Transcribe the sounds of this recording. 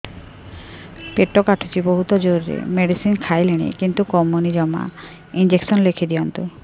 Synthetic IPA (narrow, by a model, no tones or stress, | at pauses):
peʈɔkaʈʰut͡ʃibɔɦut̪ɔd͡ʒoɾiɾḛmeɽisinkʰajleɽ̃ḭkint̪ukɔmunid͡ʒɔma̰ | ind͡ʒeksɔnlekʰid̪ijɔnt̪u